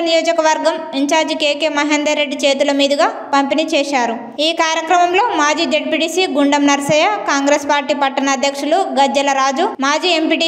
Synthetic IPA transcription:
nijoːd͡ʒɐkɐʋɐɾɡɐmiɲt͡ʃaːɾd͡ʒikeːkeːmɐɦeːnd̪ɐɾːe̞ɖːit͡ʃeːt̪ulɐmiːd̪ɐɡaː | pɐmpiniːt͡ʃɛːʃaːɾu | iːkaːɾjɐkɾɐmɐmlo̞ːmaːd͡ʒiːd͡ʒeɖ̚piʈiːsiɡuɳɖɐmnɐɾɐsɐjɐkaːŋɡɾeːspaːɾʈiːpɐʈːɐnɐːd̪ʱjɐkʂuluɡɐd͡ʒːɐlɐɾaːd͡ʒumaːd͡ʒiːe̞mpiʈi

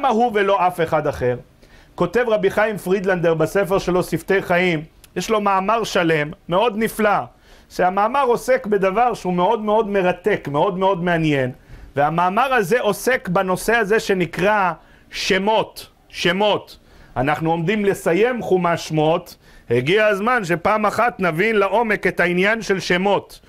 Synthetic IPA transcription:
amaɦuvelo̞ʔafe̞χad̪aχeʁ | ko̞t̪e̞vʁabiχajimfʁid̪land̪eʁbasefe̞ʁʃe̞lo̞sift̪e̞jχaimjeʃlo̞maːmaʁʃale̞mːe̞o̞d̪nifla | ʃeamaːmaʁo̞se̞kbe̞d̪avaʁʃeume̞o̞d̪meo̞d̪me̞ʁat̪e̞kme̞o̞d̪me̞o̞d̪me̞anje̞nveamaːmaʁhaze̞ʔo̞se̞kbano̞se̞haze̞ʃe̞nikʁa | ʃe̞mo̞t̪ | ʃe̞mo̞t̪ | anaχnuo̞md̪imle̞saje̞mχumaʃmo̞t̪ | heɡiaazmanʃ̬epaːmaχat̪navinlaʔo̞me̞ke̞t̪hainjanʃe̞lʃe̞mo̞t̪

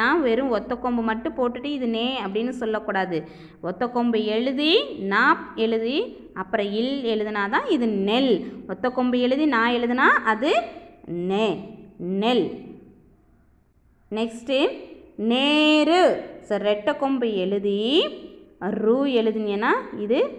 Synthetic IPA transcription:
ãːʋɛɾɯ̃mɔt̪ːɐkːɔmbɯmɐʈːɯ̃poːʈːɯʈːɯɪðɯneːɐpːɐɽɪnːɯsɔlːɐkːuːɽaːðɯ | ʔɔt̪ːɐkːɔmbɯɛɻɯðinaːpɛɻɯði | ɐpːɯɾɐ̃ɪlɛɻɯðɯnaːt̪ãːɪðɯnɛlɔt̪ːɐkːɔmbɯɛɻɯðinãːɛɻɯðɯnaːʔɐðɯneːnɛl | nɛksʈɐmneːɾɯsɐɾːɛʈːɐkːɔmbɯɛɻɯði | ɾuːɛɻɯðɯnɛnːaːɪðɯ

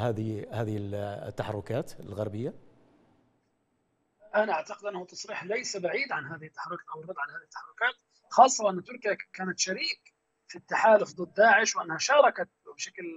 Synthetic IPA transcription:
haːðhaːðɪɪlt̪ːaħɑ̰rˤːʊkaːt̪lɣɑɾˤbɪjːa | ʔanaʔaʕt̪ɑqɪd̪ʔɪnːahʊt̪ːɑsˤɾiːħlajsabaʕiːd̪ʕanɦaːðɪhɪt̪ːaħɑrˤʊkʔawɪrˤːɑd̪ˤʕanhaːðɪhɪt̪ːaħɑrˤːʊkaːt̪ | xɑːsˤːɑʔɪnːt̪ːʊɾkɪjakaːnat̪ʃaɾiːk | fit̪ːaħaːlʊfd̪ˤɨd̪̚ˤːaːʕɪʃwʔanːhaʃɑːɾˤɑkat̪bʃakl

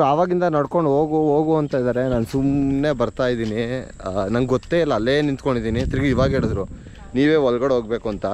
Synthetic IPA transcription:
aːʋaːɡind̪ɐnɐɽko̞ɳɖɦoːɡuɦoːɡuɐnt̪aid̪aːɾe̞naːnsumne̞bɐɾt̪aːjd̪iːninɐŋɡɡɔt̪ːeːilːɐːlːeːnint̪koɳɖid̪iːnit̪ɾiɡiʋaːɡɦeːɭud̪ɾu | niːʋe̞ːɔlɡɐɽɦoːɡ̚beːkuɐnt̪ɐ

